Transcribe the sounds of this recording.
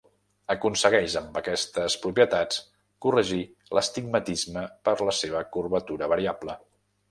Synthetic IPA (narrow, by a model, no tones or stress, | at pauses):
əkunsəɣɛʃəmbəkɛst̪əspɾupiət̪at͡s | kurəʒi | ləst̪iɡ̚mət̪izməpəɾləseβ̞əkurβət̪uɾəβəɾiablə